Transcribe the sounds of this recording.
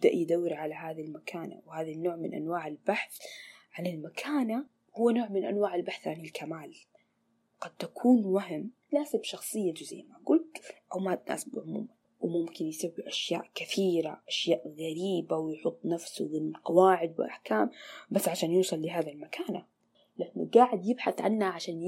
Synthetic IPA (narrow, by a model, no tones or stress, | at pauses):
ɪbd̪aʔjɪd̪awːɪɾʕalaɦaːðalmakʰaːna̰whaːðinːoːʕmɪnʔa̰nwaːʕɪlbaħθʕanlalmakʰaːna | hʊwːanoːʕmɪnʔa̰nwaːʕɪlbaħθʕanalkʰamaːl | qɑd̪̚t̪akʰuːnwaɦɪm | laːzɪbʃɑxsˤɨjːad͡ʒʊza̰jːmaɡʊlt̪ʔawmat̪na̰ːsbʕʊmṵːma | wɪmʊmkɪnjsabiʔaʃja̰ːʔkɪθiːɾa̰ʔaʃjaːʔɣaɾiːbawɪjħʊt̪ˤːnafsʊwɪnqɑwaːʕɪd̪̚wɪ̰lʔa̰ħkaːmbasːʕaʃaːnjuːsˤɑlːɪɦaːðalmakʰaːna | lʔɪnːʊ̰ɡaːʕɪd̪jɪbħaθʕanhaʕaʃaːn